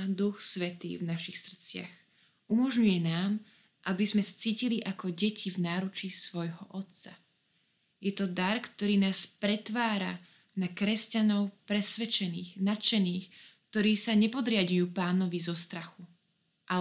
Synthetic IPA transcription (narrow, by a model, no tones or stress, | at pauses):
d̪uxsʋɛt̪ḭːvnaʃixsr̩t͡sɪa̰x | umɔʒɲujɛnaːm | ʔabizmɛsḁt͡siːciliʔakɔɟɛcʰivnaːɾut͡ʃisʋɔjɦɔʔɔt̪t͡sa | jɛt̪ɔd̪aɾkt̪ɔɾiːnaːspɾɛt̪ʋaːɾa̰ | nakɾɛscanɔʊpɾɛsʋɛt͡ʃɛniːxnat͡ʃɛniːxkt̪ɔɾiːsaɲɛpɔd̪ɾɪadɲujuːpaːnɔʋizɔst̪ɾaxu | ʔa